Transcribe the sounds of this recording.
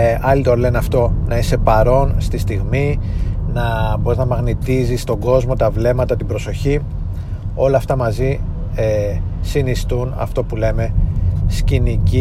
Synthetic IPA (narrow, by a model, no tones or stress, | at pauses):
ɐlit̪o̞le̞nɐft̪o̞nɐise̞pɐɾo̞nst̪ist̪iɣminɐbo̞ɾiznɐmɐɣnit̪izist̪o̞ɡo̞zmo̞t̪ɐvle̞mɐt̪ɐt̪ibɾo̞so̞çi | o̞lɐːft̪ɐmɐzi | esinist̪unɐ̰ft̪o̞pule̞me̞scinici